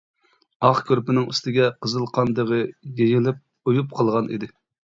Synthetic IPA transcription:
ɑχkʲʰøɾpɪnɪŋyst̪ɪɡʲɛqʰəzɨlˠqʰɑnd̪əʁəjeŋɪlɪp̚ | ujup̚qʰəlˠʁɑnʔḭd̪ɪ

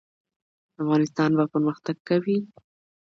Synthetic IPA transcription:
afɣɑnɪs̬t̪ɑnbapəɾməxt̪aɡ̚kawi

